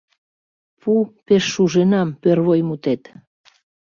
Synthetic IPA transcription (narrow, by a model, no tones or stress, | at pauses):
pʰupeʃːuʒenɑmpørβojmut̪et̪